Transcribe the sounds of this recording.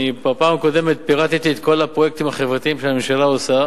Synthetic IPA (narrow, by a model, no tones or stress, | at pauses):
ibapaːmako̞d̪e̞met̪̚piʁat̪it̪iet̪ko̞lapʁo̞je̞k̚t̪imhaχevʁat̪iimʃeamemʃalaosa